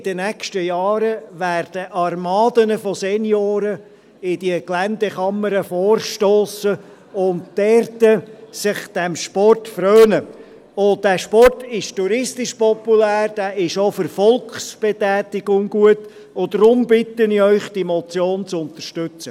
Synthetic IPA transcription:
ɪd̥ənækʃtəjɑːɾəʋæːrd̥əʔɑrmɑːdənəfɔsɛnjoːɾə | ɪd̥iəklændɛχɑməɾəfɔːrʃtoːsə | ʊnd̥ɛrtəsɪχd̥ɛmʃpɔrtfrœːnə | ʊd̥æːʃpɔrtɪʃtuɾɪstɪʃpɔpulæːrd̥æːʔɪʃofəɾfɔlkχsb̥ɛtɛːtɪɡʊŋɡ̥uət | ʊdɾʊmbɪtəniœʏχd̥imɔt͡sjoːnt͡sʊnt̪ərʃtʉt͡sə

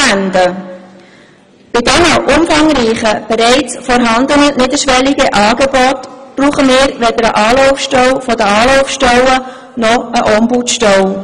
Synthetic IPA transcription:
ænd̪ə | b̥ɪdɛnəʔʊmfɑŋɾiːχəb̥ɛɾɛɪt͡sfɔɾɦɑnd̪ənənɪd̪əʃʋɛliɡəʔɑːɡɛbɔtb̥ruːχəmɪːɾʋɛd̪əɾəʔɑːlɔʊfʃtɛwfɔd̪əɑːlɔʊfʃtɛwə | nɔəʔɔmbutʃtœw

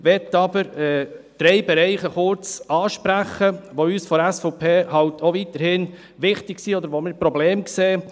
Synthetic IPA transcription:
ʋɛtːɑbəɾɛd̪̥ɾɛɪbɛɾɛɪχəχʊɾt͡sɑːʃpɾæχəʋoyːsfɔɾæsfɔpʰeːhɑltʰoʋit̪əɾhɪn | ʋɪχtɪksiːɔd̪əɾʋomɪɾpɾɔbleːmkseː

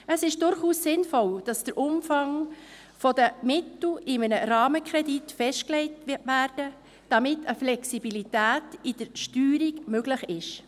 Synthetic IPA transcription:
əsɪʃd̥ʊɾχuːssɪnfɔld̥ɑsd̥əɾʔʊmfɑŋ | fɔdəmɪtl̩ɪmənəɾɑːməkχɾɛditfɛʃt̚klɛɪtʋæːɾd̥ə | d̥ɑmɪtəflɛksibilitæːtid̥əɾʃtyːɾiɡmøɡləχɪʃ

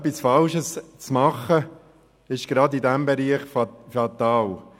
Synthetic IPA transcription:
pisfɑlʃəst͡smɑχə | ɪʃɡ̥ɾɑdidæmbeɾiːχfɑt̪ɑːl

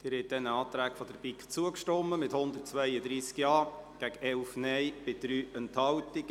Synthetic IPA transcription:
d̥ɪːɾhɛt̚dɛnəɑːt̪ɾæːkfɔd̥̪əɾbikt͡suəkʃtɔmːəmɪthʊnd̪ərt̚t͡sʋœɪəd̪ɾiːskjɑːɡ̥æɡ̥əʔɛlfnɛjb̥ɪd̥ɾyːənthɑltiɡ̥

